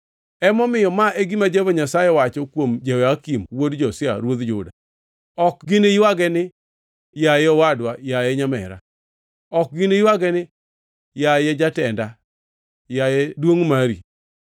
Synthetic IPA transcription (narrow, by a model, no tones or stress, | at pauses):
ɛmɔmɪjɔmaʔeɡimad͡ʒevoɲasajɛwat͡ʃɔkwomd͡ʒewakimwodd͡ʒɔsja̰ɾwod̪d͡ʒʊda | ɔk̚ɡineiwaɡɛnɪ | jajɛɔwadwajajɛɲamɛ̰ɾa̰ | ɔk̚ɡɪnejiwaɡɛnɪ | jajɛd͡ʒatɛnda | jajɛdwoŋmaɾḭ